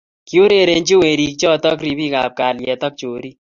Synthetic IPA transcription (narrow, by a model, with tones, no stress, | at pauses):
kju˦ɾe˨ɾe˨nt͡ʃi˦we˨ɾi˨k̚t͡ʃɔ˦tɔ˦kɾi˨bi˦ka˨p̚ka˨ljɛ˨tɔ˦k̚t͡ʃo˨ɾi˦